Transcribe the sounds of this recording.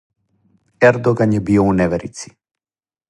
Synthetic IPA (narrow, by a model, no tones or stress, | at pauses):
ɛɾd̪ɔɡanjɛbiɔunɛvɛɾit̪si̥